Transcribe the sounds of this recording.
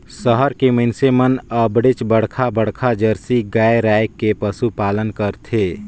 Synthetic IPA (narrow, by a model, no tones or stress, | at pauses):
səɦəɾkeməɪnsemənəbɽet͡ʃbəɽ̤kʰabəɽkʰad͡ʒəɾsiɡaːeɾaːjkːepəsupaːlənkəɾt̪ʰeː